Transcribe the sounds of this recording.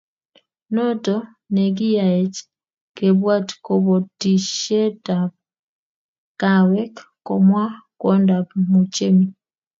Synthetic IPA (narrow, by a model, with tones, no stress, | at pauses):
nɔ˦tɔ˦ | ne˨ɡi˦ja˨e˨t͡ʃ | ke˨βwa˦tkɔ˨βɔ˨ti˨ʃe˦ta˨b | ka˨wɛ˦kkɔ˨mwa˦kwɔ˦nda˨pmu˨t͡ʃe˦mi